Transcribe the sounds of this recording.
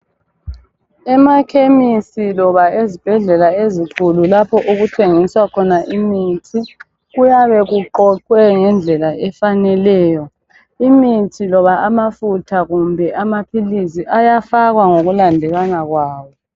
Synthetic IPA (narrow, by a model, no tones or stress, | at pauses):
ɛmakʰemisilɔβaezib̥ʱɛɮɛlaezikʰululapʰɔʔuɣutʰeŋiswakʰɔnaʔimiːtʰi | ɣujaβɛɣuǃɔǃwɛŋɛnd͡ɮʱɛlaʔɛfanɛlɛːjɔ | imitʰilɔβaamafutʰaɣumbʱɛʔamapʰilisiʔajafaɣwaŋoɣulandʱɛlanaɣwaːwɔ